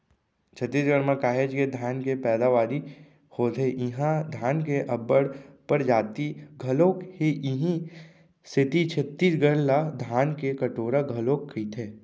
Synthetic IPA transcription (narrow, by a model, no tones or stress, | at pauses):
t͡ʃʰət̪ːisɡəɾmãkaːɦed͡ʒked̪ʱaːnkepɛːd̪aʋaːɾi | hoːt̪eʔɪɦãd̪ʱjaːnkeʔɐbəɽpəɾd͡ʒaːt̪iɡʱɐlõːkheʔɪɦĩ | sʰɪt̪it͡ʃʰət̪ːid͡ʒɡəɽlad̪ʱaːnkekəʈoːɾaɡʱɐlõːkʰːit̪ʰeː